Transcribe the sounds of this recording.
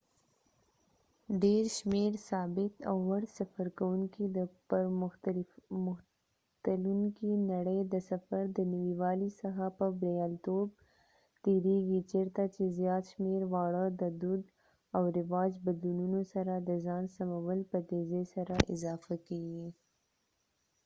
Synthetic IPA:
ɖeɾʃmeɾsɑbɪt̪a̰wːaɽsafaɾkawuŋkid̪əpəɾm | mʊx | t̪aluŋkinaɽəjd̪əsafaɾd̪ənawiwɑlisaxapəbɾejɑlt̪ob | t̪eɾeɡit͡ʃeɾt̪at͡ʃezjɑt̪ʃmeɾwɑɽəd̪əd̪ud̪ | awɾɪwɑd͡ʒbad̪lununosaɾad̪əzɑnsamawəlpət̪ezesaɾaʔɪ̰zɑfakeɡi

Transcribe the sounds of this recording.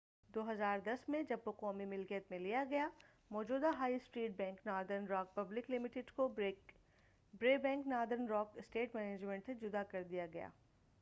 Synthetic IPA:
d̪oːɦɐzaːɾd̪ɐsmẽd͡ʒɐbɦoqɔːmimɪlkijət̪mẽlijaɡɐja | mɔːd͡ʒuːd̪aɦaːisʈɾiːʈ̚bɛ̃ːŋknaːɾd̪əɾnɾɔːk̚pɐblɪklɪmɪʈɪɖko | bɾeːbɛ̃ːŋknɔːɾd̪əɾnɾɔːkɪsʈeːʈmɛːneːd͡ʒmẽɳʈsed͡ʒʊd̪akɐɾd̪ijaɡɐja̰ː

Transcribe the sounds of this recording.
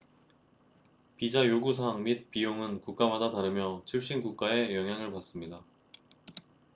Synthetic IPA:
pid͡ʑajoɡusʰaŋmit̚p͈ijoŋɯnkuk̚k͈amadataɾɯmjʌt͡ɕʰiɭɕ͈inɡuk̚k͈ae̞jʌŋɦjaŋɯɭpas͈ɯmɲida

